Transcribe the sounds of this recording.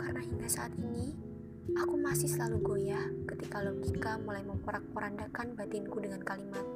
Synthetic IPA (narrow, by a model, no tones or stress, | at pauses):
karənahiŋɡasaʔat̪ini | akumasɪhsəlaluɡojakət̪ikalokikamulajməmpuɾak̚pəɾandakanbat̪ɪnkudəŋankalimat̪̚